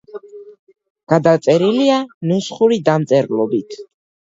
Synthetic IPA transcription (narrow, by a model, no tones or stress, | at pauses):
ɡ̥ad̪at̪sʼɛɾilianusχuɾid̪amt̪sʼɛɾlˠɔbit̪ʰ